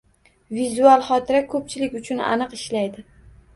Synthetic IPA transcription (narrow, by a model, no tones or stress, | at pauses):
vizualˠχɒt̪ʰɪɾakʰɵp̚t͡ʃʰɪlɪkʲʊt͡ʃʰʊna̰nɨqɪʃlajd̪ɪ